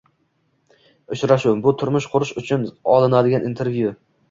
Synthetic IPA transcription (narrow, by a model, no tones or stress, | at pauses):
ʊt͡ʃɾaʃʊbʊt̪ʰʊɾmʊʃqʰʊɾɪʃʊt͡ʃʰʊnɒlˠɪnad̪ɪɡʲanint̪ʰe̞ɾvju